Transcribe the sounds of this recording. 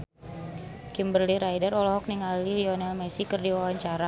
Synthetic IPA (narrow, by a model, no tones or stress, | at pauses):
kimbərliɾajdərɔlɔɦɔk̚niŋaliliɔnɛlmɛsikərdiwawaɲt͡ʃaɾa